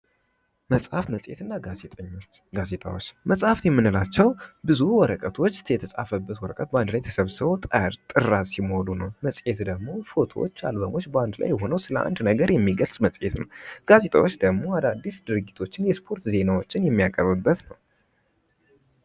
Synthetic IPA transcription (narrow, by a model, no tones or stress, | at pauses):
məsʼhafməsʼḛt̪ɨnːaɡazet̪ʼəɲːoɡazet̪ʰʼa̰wot͡ʃːməsʼhaft̪jɛmːɨnɨlat͡ʃːɛwbɨzuwɔɾəkʼət̪ʰo̞t͡ʃːt̪ʰjɛt̪ʰəsʼa̰fəbːət̪wɔɾəkʼət̪̚bəand̪lajt̪ʰə̥səβsɨβot̪ʼt̪ʼɨrːasimolunəwməsʼet̪d̪əɡmo̞fo̞t̪ʰo̞wo̰t͡ʃːa̰lbəmot͡ʃːbəand̪la̰jːɛɦo̞nəwsɨləʔa̰nd̪nəɡəɾjɛmːiɡəlsʼmət͡sʼet̪nə̰wɡ̥aze̞t̪ʰʼawo̞t͡ʃːd̪əɡmo̞ad̪ad̪ːisd̪ɨɾɨɡit̪ʰo̞t͡ʃːɪnjɛspʰo̞ɾt̪ze̞nawo̞t͡ʃːɪnjɛmːijakʼəβɨbːət̪nəw